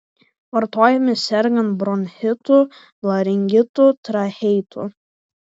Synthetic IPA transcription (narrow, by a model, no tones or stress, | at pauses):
ʋɐɾt̪oːjɛmʲɪsʲɛɾʲɡʲɐnbɾɔnʲhʲɪt̪ʊ | lˠɐɾʲɪŋʲɡʲɪt̪ʊt̪ɾɐhɛjt̪ʰʊ̰